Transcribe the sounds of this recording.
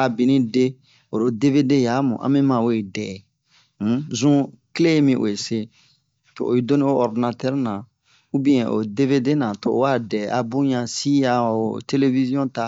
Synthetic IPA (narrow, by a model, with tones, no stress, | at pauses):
a˨bi˨nĩ˦de˦ | o˨ɾo˨de˦ve˦de˦ja˨˦mṵ̃˨ʔã̰˦mɛ̃˦mã˨we˦˨dɛː˨˦ | zũ˦ | kle˦je˦mĩ˦ʔo̰˨e˨se˦ | to̰˨o̰˨e˨do˦nĩ˦o˦ɔ˨ɾdi˨na˨tɛ˦ɾnã˨ | u˦bĩ˦ɛ̃˨ʔo̰˨de˦ve˦de˦nã˨to̰˨˦wa˦dɛ˨ʔa˨bũ˦ɲã˨si˦ja˨o˨te˦le˦vi˦zjɔ̃˦ta˨